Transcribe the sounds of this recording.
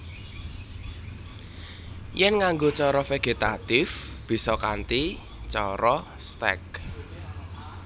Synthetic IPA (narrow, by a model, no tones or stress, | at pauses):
jɛnŋaŋɡot͡ʃɔɾɔfeɡ̥et̪at̪ɪf | b̥i̤sɔkant̪i | t͡ʃɔɾɔst̪ɛ̰k